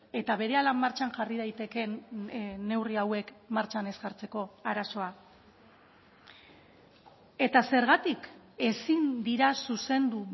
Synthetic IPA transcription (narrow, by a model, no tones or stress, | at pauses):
e̞t̪aβ̞e̞ɾe̞alamːaɾt͡ʃanʝarið̞ajt̪e̞ke̞ | nːe̞wriawe̞kmaɾt͡ʃane̞zɣaɾt͡se̞ko̞aɾaso̞a | e̞t̪ase̞ɾɣat̪ike̞sind̪iɾasuse̞nd̪u